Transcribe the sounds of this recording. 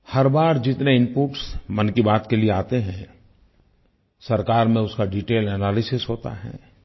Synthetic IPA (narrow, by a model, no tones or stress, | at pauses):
hɐɾbaːɾd͡ʒɪt̪neɪmpuːʈsmɐnkibaːt̪kelieaːt̪eɦɛ̃ː | sɐɾkaːɾmẽʊskaɖiːʈeːlɛnaːlɪsɪsɦoːt̪a̰ɦɛ̰ː